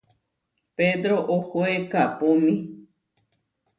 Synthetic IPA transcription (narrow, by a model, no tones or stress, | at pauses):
ped̪ɾoʔohoekapomĩ